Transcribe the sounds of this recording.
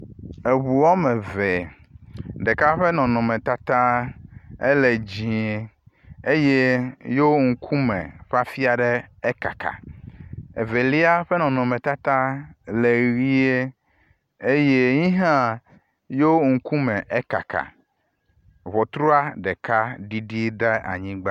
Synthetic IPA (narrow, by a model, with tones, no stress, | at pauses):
e˨βu˨wɔ˦mɛ̃˨vɛ˨ | ɖɛ˨ka˦ɸɛ˦nɔ̃˨nɔ̃˨mẽ˨t̪a˦t̪ã˦ | e˦le˨d͡ʑĩ˨e˨ | e˦je˦jo˦ŋ̩˦kʰu˦mɛ̰̃˨ɸa˦fi˦a˨ɖɛ˦e˦ka̰˨kʰa̰˨ | ḛ˨ve˨li˦a˦ɸɛ˦nɔ̃˨nɔ̃˨mɛ̃˨t̪a˦t̪a˦le˨ɣi˦e˦ | e˦je˦ɲĩ˦ɦã˦ | jo˦ŋ̩˨ku˦mɛ̃˨ʔe˦ka̰˨ka̰˨ | βɔ˨t̪ɾo˦a˦ɖɛ˨ka˦ɖi˦ɖi˦ɖe˦a̰˨ɲĩ˦ɡ͡ba˦